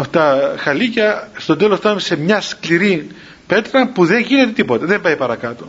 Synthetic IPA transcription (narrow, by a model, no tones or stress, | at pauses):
ɐft̪ɐxɐlicɐst̪o̞t̪elost̪ɐnumese̞mɲɐskliɾi | pe̞t̪ɾɐmpuðe̞ŋʝine̞t̪et̪ipo̞t̪ɐðembɐjpɐɾɐkɐt̪o